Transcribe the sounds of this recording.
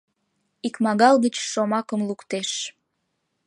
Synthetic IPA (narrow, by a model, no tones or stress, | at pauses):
ikmɑɣɑlɣət͡ɕʃomɑkəmlukt̪eʃ